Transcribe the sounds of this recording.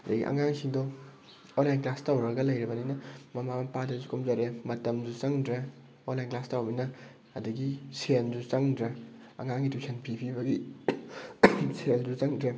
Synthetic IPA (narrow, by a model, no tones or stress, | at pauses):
ɐdɐ̰ɡḭʔɐ̰ŋaŋsiŋdɔ | onlajnklastawɾɐɡɐlɐjɾɐbɐninɐmɐmamɐpadɐzukʰumzɐɾemɐtɐmzut͡ʃɐŋdɾa | onlajnklastawbinɐ | ɐduɡisenzut͡ʃɐŋdɾɐ | ɐ̰ŋaŋɡitusʰenpʰipʰibɐɡi | selzut͡ʃɐŋdɾe